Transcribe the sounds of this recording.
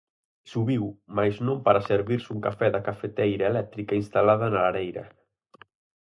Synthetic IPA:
suβiwmajznõmpaɾaseɾβiɾsuŋkafɛðakafet̪ejɾaelɛk̚t̪ɾikainst̪alaðanalaɾejɾɐ̰

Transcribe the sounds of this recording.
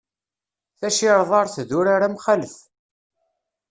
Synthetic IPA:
θæʃɪɾˤðˤɑɾˤθðuɾaɾamχaləθ

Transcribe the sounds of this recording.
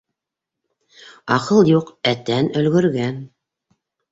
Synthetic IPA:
ɑqɤlˠjuqæt̪ænɵ̆lɡɵ̆ɾɡæn

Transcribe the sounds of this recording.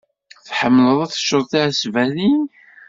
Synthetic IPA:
θħəmːləðˤæθə̥ʃːəɾˤθiʕsvæðin

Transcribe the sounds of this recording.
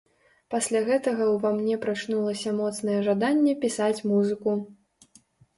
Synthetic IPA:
pasʲlʲaɣɛt̪ɐɣɐwvamnʲɛpɾat͡ʂnulˠɐsʲɐmɔt̪sn̪ɐjɛʐad̪anʲːɛpʲisat͡sʲmuzɨku

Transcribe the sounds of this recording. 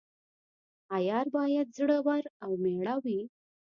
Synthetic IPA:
ajaɾbajat̪̚d͡zɽəʋaɾawmɛɭaʋiː

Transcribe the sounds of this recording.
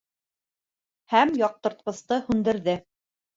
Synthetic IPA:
hæmjɑq̚t̪ɤ̆ɾt̪̚qɤ̆st̪ɤhʉnd̪ɘ̆ɾðɘ

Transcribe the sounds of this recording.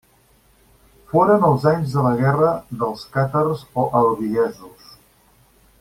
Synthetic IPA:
foɾənəlˠzaɲzðələɣɛrəðəlˠskat̪ərzoʔəlβiɛzus

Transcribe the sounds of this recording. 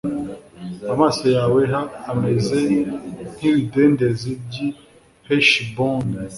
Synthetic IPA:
amasojaːweɦaːmezeniɾidendezib̚ɟi | hɛʃbɔ̃nd

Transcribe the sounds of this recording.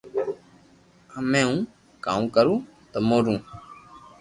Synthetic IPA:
əmẽːũː | kaːũːkəɾũːt̪əmoːɾũː

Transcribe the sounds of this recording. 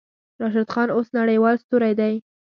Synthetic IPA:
ɾɑʃ̬ad̪xɑnosnaɽəjwɑlst̪uɾajd̪aj

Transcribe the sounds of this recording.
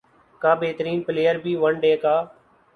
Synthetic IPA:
kãːbeːt̪əɾiːnpɪleːəɾbʱiːʋəɳɖeːkaː

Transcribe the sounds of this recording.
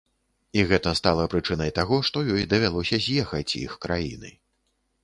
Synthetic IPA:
iɣɛt̪ɐst̪alˠɐpɾɨt͡ʂɨnɐjt̪aɣɔʂt̪ɔjɔjd̪ɐvʲalˠɔsʲɐzʲjɛxɐt͡sʲḭxkɾajḭnɨ̰

